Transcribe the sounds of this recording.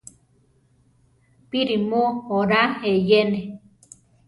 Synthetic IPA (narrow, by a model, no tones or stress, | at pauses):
piɾimohoɾahejene